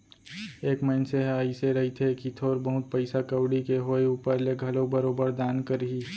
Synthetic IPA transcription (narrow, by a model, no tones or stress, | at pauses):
eːkməɪnseɦaːiseɾɐɦit̪ʰekit̪ʰoːɾbəɦʊt̪̚pəɪsakəwɽikeɦoːeuːpəɾleɡʱɐloːbəɾoːbəɾd̪aːnkəɾɦiː